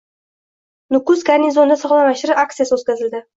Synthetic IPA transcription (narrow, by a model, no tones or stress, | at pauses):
nʊkʊsɡaɾnizond̪asɒʁlˠamaʃɪɾɪʔak̚t̪sijasɵt̪kʲazɪld̪ɪ